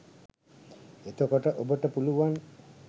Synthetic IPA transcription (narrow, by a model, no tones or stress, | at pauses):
et̪okɔʈəʔobəʈəpuluʋan